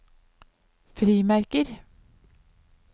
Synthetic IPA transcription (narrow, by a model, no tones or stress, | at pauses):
fɾiːmæɾkəɾ